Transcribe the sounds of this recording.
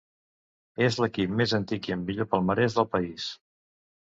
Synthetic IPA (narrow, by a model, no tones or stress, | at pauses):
ezləkip̚mezənt̪ikiəmbiʎopəlˠməɾɛʒðəlˠpəis